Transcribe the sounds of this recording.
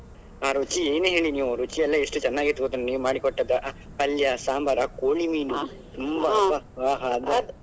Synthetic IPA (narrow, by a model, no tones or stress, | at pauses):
aːɾut͡ʃieːneɦeːɭiniːʋuɾut͡ʃijɐlːɐeʂʈut͡ʃɛnːaːɡit̪ːuʋoːd̪ɐnːniːʋumaːɽikɔʈːɐd̪ːɐʔ | pɐljɐsaːmbɐɾɐkoːɭimiːnu | t̪umbɐɐɦaːɦad̪ɐ